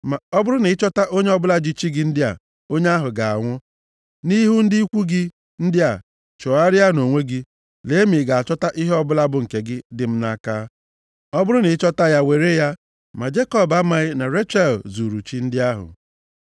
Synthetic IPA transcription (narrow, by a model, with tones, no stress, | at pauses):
ma˨ɔ˦bʊ˦ɾʊ˦nɪ˨˦t͡ʃɔ˦ta˦ʔo˦ɲe˦ɔ˦bʊ˦la˦d͡ʒi˦t͡ʃi˦ɡɪ˦n̩˦dɪ˦a̰˨ | o˦ɲe˦a˦ɦʊ˨ɡa˨a̰˨ŋʷʊ˦ | ni˦ɦu˦n̩˦dɪ˦i˦kʷu˦ɡɪ˦ | n̩˦dɪ˦a˨ | t͡ʃɔ˨a˦ɾɪ˦a˦no˨ŋʷe˦ɡɪ˦ | le˨˦mi˨ɡa˨a˨t͡ʃɔ˦ta˦ʔi˦ɦɔ˦bʊ˦la˦bʊ˨ŋ̩˨ke˨ɡɪ˦dɪ˨m̩˦na˦ka˦ | ɔ˦bʊ˦ɾʊ˦nɪ˨˦t͡ʃɔ˦ta˦ja˦we˨ɾe˦ja˦ | ma˨d͡ʒe˦kɔ˦˨ba˦ma˨ɪ˦na˨ɾe˦t͡ʃa˦˨lzu˨ɾu˨t͡ʃi˦n̩˦dɪ˦a˦ɦʊ̰˨